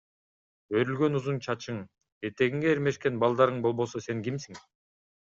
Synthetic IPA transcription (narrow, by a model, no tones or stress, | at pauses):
bø̞ɾylɡø̞nuzunt͡ʃʰɑt͡ʃɯŋ | et̪e̞ɡiŋɡeːɾme̞ʃke̞nbɑlˠd̪ɑɾɯɴbo̞lˠbo̞sose̞ŋkimsiŋ